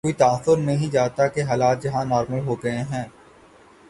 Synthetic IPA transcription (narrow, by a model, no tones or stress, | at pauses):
koːit̪aːθːʊɾnɐɦĩd͡ʒaːt̪akeɦaːlaːt̪̚d͡ʒɐɦãnɔːɾməlɦoːɡɐẽɦɛ̃ː